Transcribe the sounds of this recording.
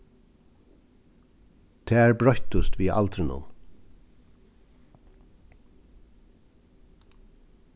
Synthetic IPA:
t̪ʰeːæːɹbɹɔhçt̪ʊst̪ʋiːʔɑ̰lt̪ʰɾɪnʊ̰m

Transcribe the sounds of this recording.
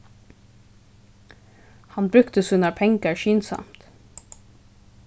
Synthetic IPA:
hɑnbɾʉkt̪əsʉnɑpʰɛŋɡəɹʃyːnsɑ̰mt̪

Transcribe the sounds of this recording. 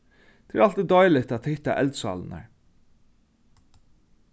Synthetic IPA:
d̪̥ɪɾɑlt̪ɪd̪ɑʏlɪt̪at̪hɪt̪a̰ʔɛld̪sɑ̰ːln̩æ̰ɹ

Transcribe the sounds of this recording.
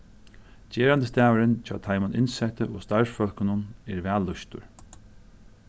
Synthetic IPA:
d͡ʑeːɾant̪əst̪æːʋəɾɪnt͡ʃʰɑːt̪ʰajmʊnɪ̰nsɛt̪əʔoːst̪aɹfœl̥kɪnʊnɛɾvæːlːʊʃt̪ʊ̰ɹ

